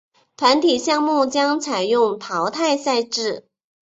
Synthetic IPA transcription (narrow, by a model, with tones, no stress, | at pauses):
t̪ʰwa˧˥nt̪ʰi˨˩ɕjɑ˥˧ŋmu˥˩t͡ɕjɑ˥ŋt͡sʰa˨˩ɪjʊ˥˩ŋt̪ʰɑ˧˥ʊt̪ʰa˥˧ɪsa˥˧ɪʈ͡ʂɻ̩˥˩